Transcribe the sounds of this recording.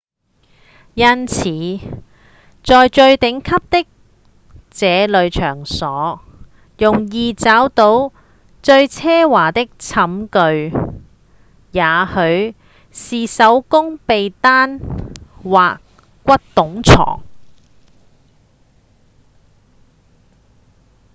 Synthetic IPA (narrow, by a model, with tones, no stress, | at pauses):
jɐ˥nt͡sʰiː˨˧˥ | t͡sɔː˨˧jt͡ʃɵ˧ɥt̪ɪ˨˥ŋkʰɐ˥p̚t̪ɪ˥k̚ | t͡sɛː˨˧lɵ˨˧ɥt͡ʃʰœː˨˩ŋsɔː˨˥ | jʊ˨˩ŋjiː˨t͡saː˨˥wt̪o˨˥w | t͡ʃɵ˧ɥt͡sʰɛː˥waː˨˩t̪ɪ˥k̚t͡sʰɐ˨˥mkɵ˧ɥ | jaː˨˥hɵ˨˧ɥ | siː˨sɐ˨˥wkʊ˥ŋpe˨jt̪aː˥n | waː˨k | kːʷɐ˥t̚t̪ʊ˨˥ŋt͡sʰɔ̰ː˨˩ŋ